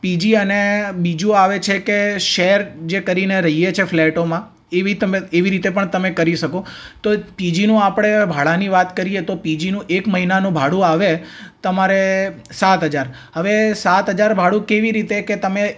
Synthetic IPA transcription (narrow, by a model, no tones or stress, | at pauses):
pid͡ʒiənebid͡ʒũaʋet͡ʃʰekeʃeɾd͡ʒekəɾineɾəɦijet͡ʃʰefʰleʈomã | eʋit̪əmeeʋiɾit̪epəɳt̪əmekəɾiʃəkot̪opid͡ʒinũapɽ̃ebʱaɭaniʋat̪kəɾiet̪opid͡ʒinũʔekməɦinanũbʱaɽũaʋet̪əmaɾe | sat̪ɦəd͡ʒaɾ | ɦəʋesat̪ɦəd͡ʒaɾbʱaɽũkeʋiɾit̪eket̪əme